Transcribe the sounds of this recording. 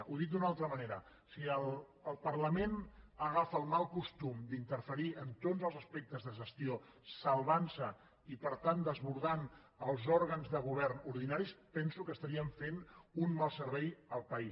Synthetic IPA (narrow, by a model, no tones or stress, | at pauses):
ʔuðit̪̚d̪unalˠt̪ɾəməneɾə | siəlˠ | əːlˠpəɾləmenəɣafəlˠmalˠkust̪umd̪int̪əɾfəɾiənt̪ozəlˠzəspɛk̚t̪əzðəʒəst̪io | səlˠβansə | ipəɾt̪and̪əzβuɾðan | əlˠzɔɾɣənzðəɣ̞uβ̞ɛɾnuɾð̞inaɾispɛnsukəst̪əɾiəɱfenunmalˠsəɾβɛjəlˠpəi